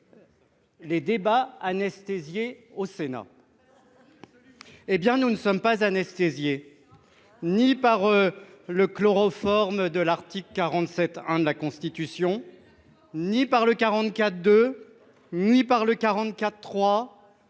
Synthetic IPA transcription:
led̪ebaanɛst̪ezjeosena̰ | ebjɛ̃nunəsɔmpazanɛst̪ezje | nipaʁ | ləklɔʁɔfɔʁmd̪əlaʁt̪ikləkʲaʁɑ̃t̪sɛt̪ɛ̃d̪əlakɔ̃st̪it̪ysjɔ̃ | nipaʁləkaʁɑ̃t̪kʲat̪d̪ø | nipaʁləkaʁɑ̃t̪kʲat̪ːχwa

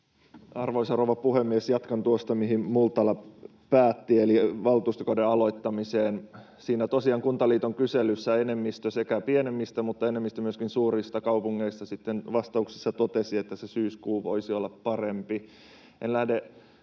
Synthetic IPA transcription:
ɑrʋoisɑrouʋɑpuhemːiesjɑt̪kɑnt̪uost̪ɑmiɦimult̪ɑlɑ | pæːt̪ːieliʋɑlt̪uːst̪okɑdeɑloit̪ːɑmiseːn | siːnæt̪osiɑːŋkunt̪ɑliːt̪oŋkyselysːæenemːist̪øsekæpienemːist̪æmut̪ːɑenemːist̪æmyøskinsuːrist̪ɑkɑupuŋːeist̪ɑsit̪ːenʋɑst̪ɑuksi̥sːɑt̪ot̪esiet̪ːæsesyːskuːʋo̰isiolːɑppɑrempi | ʔenlæhde

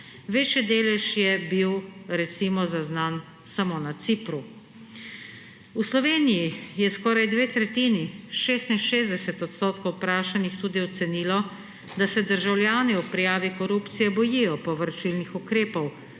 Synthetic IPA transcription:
ʋeːt͡ʃjɛd̪eːlɛʃjɛbiwɾɛt̪simɔzaznan | samoːnat̪sipɾu | uslɔʋeːnijijɛskɔːɾajd̪ʋeːt̪ɾɛt̪iːniʃeːst̪inʃeːzd̪ɛsɛt̪ɔt̪st̪oːt̪kɔwpɾaːʃanixt̪uːd̪iɔt̪sɛniːlɔ | d̪asɛd̪əɾʒawlʲjaːniɔpɾijaːʋikɔɾuːpt̪sijɛbɔjijɔpɔʋəɾt͡ʃilnixukɾeːpɔw

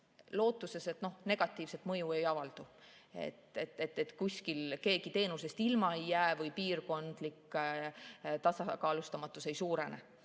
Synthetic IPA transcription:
lo̞ːt̪ːˑuse̞se̞t̪no̞hne̞ɡ̥ɑt̪ːˑiːvset̪mɤ̞jue̞jɑvɑld̪̥u | ḛt̪et̪ːˑe̞t̪ːet̪ːkusʲkilke̞ːɡ̥it̪e̞ːnuse̞st̪ilmɑejːæːvɤjpiːrko̞nd̪̥likː | t̪ɑsɑkɑːlust̪ɑmɑt̪ːˑuse̞jsuːɾe̞nḛ

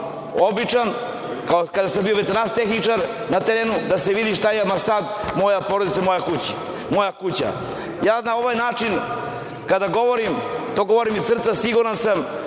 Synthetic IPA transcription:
o̞bit͡ʃan | kaokad̪asambioʋet̪enanst̪exnit͡ʂaɾ | nat̪eɾeːnud̪aseʋid̪iʃt̪ajeamasad̪mo̞japo̞ɾod̪it̪samo̞jakut͡ɕi̥ | mo̞jakut͡ɕa̰ | jaːnao̞ʋajnaːt͡ʂin | kad̪aɡo̞ʋoɾimt̪oɡo̞ʋo̞ɾimisr̩t̪sasiɡuɾansam

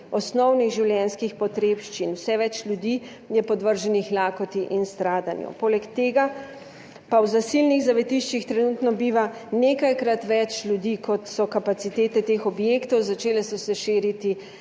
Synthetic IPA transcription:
ɔsnɔwniɣʒiwljɛnskixpɔt̪ɾepʃt͡ʃinwsɛʋɛt͡ʃlʲjud̪iː | jɛpɔd̪ʋəɾʒɛnixlaːkɔt̪iʔinst̪ɾaːd̪anjṵpoːlɛkt̪eːɡa | pawzasilniɣzaʋɛt̪iʃt͡ʃixt̪ɾɛnuːt̪nɔbiːʋaneːkajkɾat̪ʋɛt͡ʃlʲjud̪iːkʰɔt̪sɔkapat̪sit̪eːt̪ɛt̪exɔbjeːkt̪ɔwzat͡ʃeːlɛsɔsɛʃeːɾit̪i

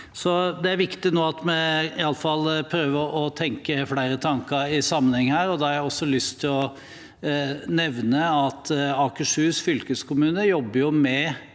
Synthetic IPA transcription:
sɔd̪ɛæɾʋɪkt̪ɪnoːɑt̪mɛɪɑlːəfɑlːpʰɾøːʋəɾʔɔt̪ʰɛŋkəfɽæɪɾət̪ʰɑŋkəɾɪsɑmːənhɛŋːəhæːɾɔd̪ɛhɑɾɔsːɔlʏst̪ʰːɪlɔ | nɛʋnəɑt̪ɑːkəʂhʉːsfʏlkəskʊmʉːnəjɔbːəɾjʊmɛ

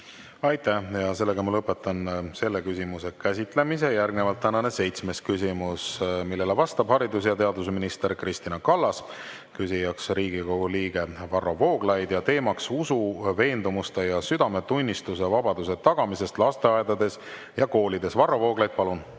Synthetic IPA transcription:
ɑjt̪æhjɑse̞lːeɡɑmɑlɤpːˑe̞t̪ːˑɑnse̞lːekysʲimuse̞kæsʲit̪ˑle̞mis̬e̞jærɡnevɑlt̪ːænɑne̞se̞jt̪sme̞skysʲimusmilːelevɑst̪ɑb̥hɑɾid̪us̬jɑt̪e̞ɑd̪usminist̪e̞ɾkrist̪inɑkɑlːɑs | kysijɑksriːɡiko̞ɡ̥uliːɡ̥e̞vɑrːovo̞ːɡ̥lɑjd̪̥jɑt̪e̞ːmɑksusuve̞ːnd̪umust̪e̞jɑsyd̪̥ɑme̞t̪unʲːist̪use̞vɑbɑd̪̥use̞t̪ɑɡ̥ɑmise̞st̪lɑst̪e̞ɑed̪ɑd̪e̞s | jɑko̞ːlid̪e̞svɑrːɑvo̞ːɡlɑjd̪̥̚pɑlun

